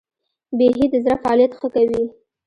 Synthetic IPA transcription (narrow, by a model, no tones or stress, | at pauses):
beɦid̪əzɾafaɑljat̪xəkawi